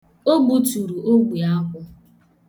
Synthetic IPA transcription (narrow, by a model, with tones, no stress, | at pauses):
o˦ɡ͡bu˨tu˨ɾu˨ʔo˦ɡʷi˨a˦kʷʊ˦